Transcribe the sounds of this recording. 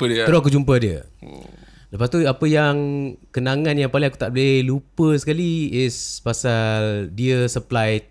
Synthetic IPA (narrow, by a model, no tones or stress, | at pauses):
pd̪əɾoak̬ud͡ʒumpədiə̰ | ləpast̪uapəjaŋkənãŋãnjaŋpaliŋaku̥t̪aʔbəlehlupəsəkaliɪspasaldiəsəplajt̪̚